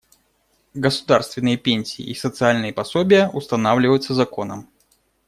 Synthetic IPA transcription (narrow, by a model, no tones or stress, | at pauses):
ɡəsʊ̥d̪arst̪vʲɪnːɨjəpʲenʲsʲiḭʔisət̪sɨalʲnɨjəpɐsobʲɪjəʔust̪ɐnavlʲɪvəjut̪sːəzɐkonə̰m